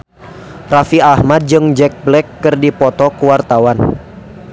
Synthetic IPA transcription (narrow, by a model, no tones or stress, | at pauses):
rafiahmad̚d͡ʒɨŋd͡ʒɛk̚blɛkːɨrdipɔt̪ɔkuwart̪awan